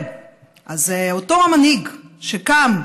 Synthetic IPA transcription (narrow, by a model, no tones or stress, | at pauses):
ʔazeotoamanhiɡʃekam